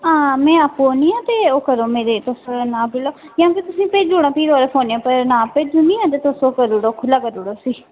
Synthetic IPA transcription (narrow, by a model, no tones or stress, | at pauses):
ãːmɛ̃ːaːpoːniːãːt̪eːoːkəɾoːmeːɾeːt̪osnãːpɪloːjãːket̪ʊsĩːpeːd͡ʒuːɽãːpʰiːɾoːɾepʰoːniãːpəɾnãːped͡ʒunĩːãːt̪̬eːt̪osokəɾuɽoːkʰʊlaːkəɾuɽoːsiː